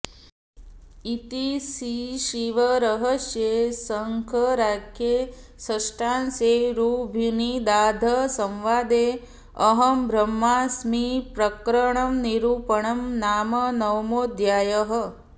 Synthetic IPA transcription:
it̪isiʃiʋɐɾɐɦəsjeːsɐəŋkʰəɾaːkʰjeːsəʂʈaːnseːɾuːbʱinid̪aːd̪ʱɐsɐ̃mʋaːd̪eː | ɐɦɐmbʱɾɐmːaːsmipɾɐkɾəɳɐmniɾuːpəɳɐmnaːmɐnɐwmoːd̪jaːjəɦɐ

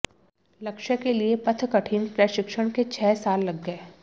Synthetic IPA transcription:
lɐkʃəkeliepɐt̪ʰkɐʈʰiːnpɾəʃɪkʃəɽ̃ket͡ʃʰɛːsaːlːɐɡːəe

